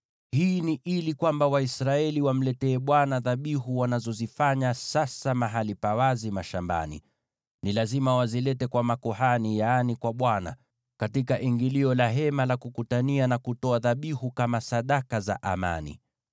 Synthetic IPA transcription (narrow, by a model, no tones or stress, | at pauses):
hiːniʔilikwambawaisɾaɛliwam̩lɛtɛːɓwanaðaɓiɦuwanazɔzifaɲasasamaɦalipawazimaʃamba̰nḭ | nilazimawazilɛtɛkwamakɔɦanijanikwaɓwana̰ | katikaʔiŋɡiliɔlaɦɛmalakukutanianakutɔaðaɓihukamasaɗakaza̰ʔa̰ma̰nḭ